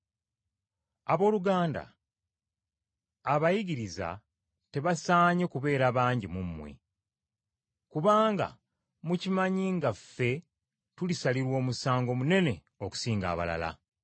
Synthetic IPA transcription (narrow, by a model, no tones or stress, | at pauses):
aβo̞ːluɡaːnda̰ | βajiɟiɾiza̰ | te̞βasaːɲe̞kuβe̞ːɾaβaːɲɟimumːwe̞̰ | kuβaːŋɡa̰ | mucimaɲiŋɡafːe̞ | tulisaliɾwo̞ːmusaːŋɡo̞mune̞ne̞ | o̞ku̥siːŋɡa̰ːβa̰la̰la̰